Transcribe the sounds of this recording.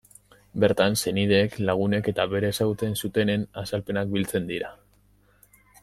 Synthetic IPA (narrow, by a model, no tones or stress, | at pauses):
be̞ɾt̪anse̞nið̞e̞ːklaɣ̞une̞ke̞t̪aβe̞ɾe̞ːsaɣut͡se̞nsut̪e̞ne̞nasalpe̞nak̚bilt͡se̞nd̪iɾa